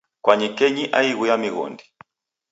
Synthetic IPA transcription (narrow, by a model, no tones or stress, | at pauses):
kwaɲɛkɛɲiʔa̰iɣujamiɣɔ̰ndi